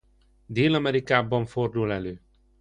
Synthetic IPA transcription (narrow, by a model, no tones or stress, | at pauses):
d̪eːlɒmɛɾikaːbɒɱford̪ulɛløː